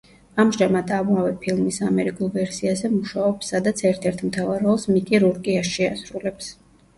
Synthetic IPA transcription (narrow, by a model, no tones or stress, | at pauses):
amʒamad̪avmavɛpʰilˠmisamɛɾikʼulˠvɛɾsiazɛmuʃaɔpsːad̪at̪sʰɛɾt̪ʰɛɾt̪ʰmt̪ʰavaɾɔlˠsmikʼiɾuɾkʼiaʃʃiasɾulɛps